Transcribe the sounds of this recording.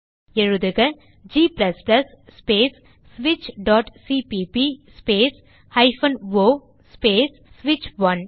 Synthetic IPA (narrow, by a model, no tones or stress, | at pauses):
ɛɻɯðɯɣɐ | d͡ʒiːplɐsplɐs | speːs | sʋɪt͡ʃɖɔːʈsiːpipispeːs | hɐɪfɐnʋoː | speːsːʋɪt͡ʃʋɐn